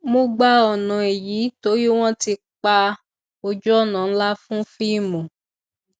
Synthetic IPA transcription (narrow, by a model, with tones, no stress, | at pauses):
mõ˦ɡ͡ba˦ɔ˨nã˨e˨ji˨˦to˨˦ɾi˦w̃ɔ̃˦ti˧ | k͡pa˧ | o˧d͡ʒɔ˦˨nã˨n̩˦la˦fũ˦fi˦˨mõ˨